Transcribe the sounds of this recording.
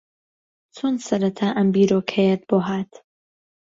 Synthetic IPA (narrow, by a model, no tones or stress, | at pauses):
t͡sʰoːnd̪sɐɾɐt̪ʰaːʔɐmbiːɾokʰɐjɛt̪̚boːɦaːt̪